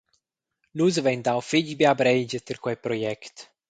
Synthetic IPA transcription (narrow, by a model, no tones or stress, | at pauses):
luzvɛnd̪awfid͡ʒbeabɾɛjd͡ʒət̪eɾkwɛpɾojɛkt̪